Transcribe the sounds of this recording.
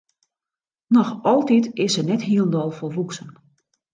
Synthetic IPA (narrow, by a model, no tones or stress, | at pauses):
nɔxɔlˠtitɪsənɛthiəlˠndɔlˠforʋuksən